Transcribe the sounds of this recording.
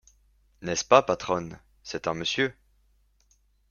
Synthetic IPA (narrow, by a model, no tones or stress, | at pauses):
nɛspapat̪χɔn | sɛt̪ɛ̃məsjø